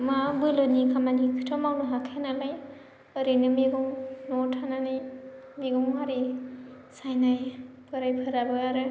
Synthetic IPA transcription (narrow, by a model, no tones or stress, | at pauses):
mabɯlonikʰamanikʰɯtʰɔmawnɯɦakʰenalaj | əɾɯnɯmeɡɔŋnɔtʰananaj | meɡɔŋaɾi | sajnaj | pʰɯɾajpʰɯɾabɯaɾɯ